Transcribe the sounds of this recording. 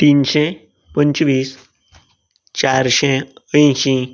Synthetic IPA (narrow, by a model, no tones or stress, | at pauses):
t̪inɕɛ̃ | pəɲt͡ɕʋiːs | t͡ɕaɾɕeəjɕĩ